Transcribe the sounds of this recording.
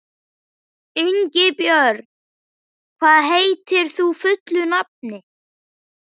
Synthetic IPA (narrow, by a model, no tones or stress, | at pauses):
ʏɲcɪpjœɾ | kʰvaːðɦejt̪ɪɾ̥θufʏt̪lʏnap̚nɪ